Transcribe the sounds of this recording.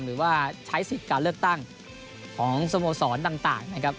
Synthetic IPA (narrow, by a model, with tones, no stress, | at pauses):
mɾɯː˩˦waː˥˩t͡ɕʰa˦˥jsi˨˩kaː˧nlɯ˥˩ək̚t̪a˥˩ŋ | kʰɔː˩˦ŋso˧moː˧sɔː˩˦nt̪a˨˩ŋt̪a̰ː˨˩ŋna˦˥kʰɾa˦˥p̚